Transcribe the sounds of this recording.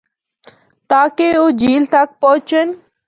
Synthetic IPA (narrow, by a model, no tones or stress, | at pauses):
t̪aːkeoːd͡ʒiːlt̪ak̚pɔʊt͡ʃən